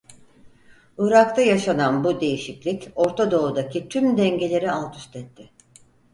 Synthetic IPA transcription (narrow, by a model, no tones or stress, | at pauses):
uɾak̚t̪ʰajaʃananbud̪e̞jiʃiclʲico̞ɾt̪ʰad̪o̞ud̪acʰit̪ʰymd̪ɛɲɟe̞lʲe̞ɾialˠt̪ʰy̥st̪ʰɛt̪ʰːɪ